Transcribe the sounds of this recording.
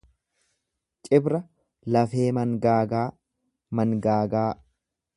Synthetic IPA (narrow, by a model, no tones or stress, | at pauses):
t͡ʃʼɪbɾɐ | lɐfe̞ːmɐŋɡaːɡaː | mɐŋɡaːɡaː